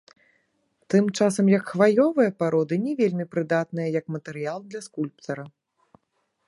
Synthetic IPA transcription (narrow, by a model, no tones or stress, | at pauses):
t̪ɨmt͡ʂasɐmjɐkxvajɔvɨjɐpaɾɔd̪ɨnʲɛvʲelʲmʲipɾɨd̪at̪nɨjɐjɐkmɐt̪ɛɾɨjalˠd̪lʲɐskulʲp̚t̪ɐɾɐ